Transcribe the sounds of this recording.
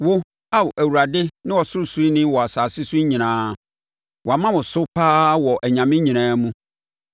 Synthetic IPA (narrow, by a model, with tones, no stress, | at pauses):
wʊ˦ | a˦wʊ˨ʔæ˨wu˨ɾa˨dɪ˦nɪ̃˦wɔ˨sʊ˦su˨˦i˦nɪ̃˦wɔ˨a˨saː˨sɪ˦su˦i˦ɲĩ˨nãː˨˦ | wɔ˨a˨mã˦wʊ̃˨sʊ˦pʰaː˦wɔ˨ʔɛ˨ɲã˨mɪ̃˦ɲĩ˨nãː˨˦mũ˦